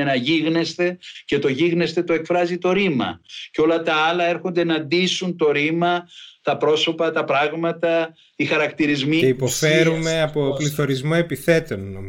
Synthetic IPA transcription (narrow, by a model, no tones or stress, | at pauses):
enɐʝiɣne̞st̪e̞ce̞t̪o̞ʝiɣne̞st̪e̞t̪o̞e̞kfɾɐzit̪o̞ɾimɐ̰ceo̞lɐt̪ɐɐlɐe̞ɾxond̪enɐnd̪isunt̪o̞ɾimɐt̪ɐpɾo̞so̞pɐt̪ɐpɾɐɣmɐt̪ɐ | ixɐɾɐkt̪iɾizmieipo̞fe̞ɾume̞ɐpopliθo̞ɾizmo̞e̞piθe̞t̪onːo